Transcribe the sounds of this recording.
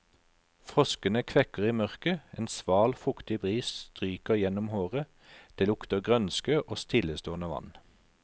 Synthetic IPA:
fʁɔskənəkʰʋɛkəʁiːmœʁkəeːnsʋɑːlfʊkt̪ɪbʁiːsst̪ʁyːkəjɛnɔmhoːʁə | d̪̥eːlʊkt̪əɡʁœnskøːʔɔst̪ʰɪləst̪oːənəʋɑ̰n

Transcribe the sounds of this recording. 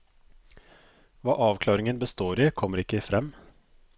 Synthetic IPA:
ʋɑːʔɑːʋkʰlɑːɾɪŋənbəst̪oːɾiːkʰɔmːəɾɪkːəfɾɛmː

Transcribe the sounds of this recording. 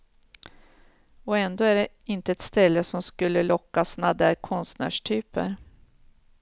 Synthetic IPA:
ɔɛnd̪oːæɖɛ | ɪnt̪əɛt̪st̪ɛlːəsɔmskɵlːəlɔkːasnad̪æɾkʰɔnst̪næ̰ːʂʈʰyːpə̰ɾ

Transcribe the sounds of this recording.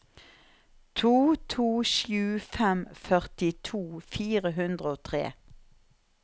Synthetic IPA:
t̪ʰuːt̪ʰuːʃjʉːfɛmfœʁt̪ɪt̪ʰuːfiːʁəɦʉnd̪ʁəoːt̪ʰʁḛː

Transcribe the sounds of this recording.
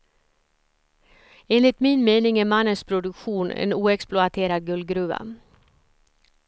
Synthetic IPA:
eːnlɪt̪miːnmeːnɪŋæːmɑnəspʰɾʊd̪ʉkʃuːnʔḛːnuːɛksplʊɑt̪ʰeːɾɑɡʉlɡɾʉːʋɑ̰

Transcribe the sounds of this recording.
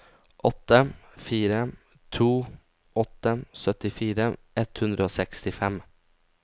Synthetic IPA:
ʔɔt̪ːəfiːɾə | t̪ʰuː | ʔɔt̪ːəsœt̪ɪfiːɾəʔɛt̪hʉnd̪ɾəoːsɛkst̪ɪfɛm

